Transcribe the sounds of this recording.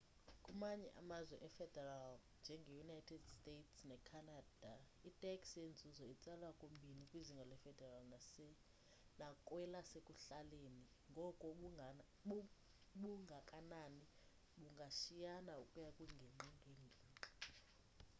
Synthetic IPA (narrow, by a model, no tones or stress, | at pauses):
kʼumaɲɛ̰ʔa̰mazwɛʔɛfɛd̥ʱɛral | nd͡ʒʱɛŋɡʱɛjunajtʰɛd̥stʼetʰsnɛkʰanad̥ʱa | itʼɛkʼsend͡zʱuzɔit͡sʼɛlwakʼombʱinikʼwiziŋɡʱɔlɛfɛdʱɛralnasɛ | nakʼwɛlasekʼuɬaleːni | ŋɡʱɔkʼɔɓ | ɓuŋɡʱakʼanani | ɓuŋɡʱaʃijanaukʼujakʼuŋʱɛŋ͡ǃiŋʱeŋʱiːǃʱḁ